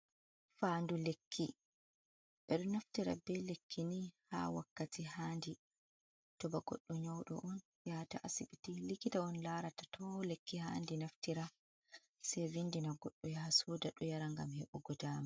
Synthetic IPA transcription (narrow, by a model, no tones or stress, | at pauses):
fandulekʰːi | ɓɛɗɔnaftiɾa̰bɛlekʰːiniha̰wakːatʰihaːndi | tɔbaɡɔ̰ɗːɔɲawɗɔ̰ʔɔn | jataʔasiɓitilikitaɔnlaːɾatḁtʰɔlekːiha̰ːndinaftiɾa | sɛjvinːdinaɡɔɗːɔjahasɔːdaɗɔjaɾaŋɡa̰mhɛɓɔɡɔdaːma